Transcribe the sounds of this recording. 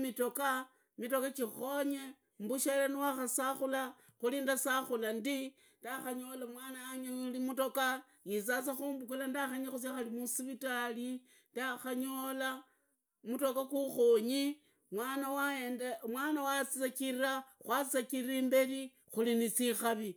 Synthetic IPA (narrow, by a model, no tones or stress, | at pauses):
mitoka | mito̞kakixo̞ɲe | mbuʃalaniwaxasaxula | xulindasaxulandi | ndaxaɲo̞lamwanaːɲaulimutoka | jit͡sat͡saxuːmbukulandaxaɲaxus̬jaxalimusiβitali | ndaxaɲola | muto̞kakuxoɲi | mwanawaenamwaːnawat͡sit͡sakiɾiɾaxwat͡sakiɾimbe̞ɾi | xulinisixaβi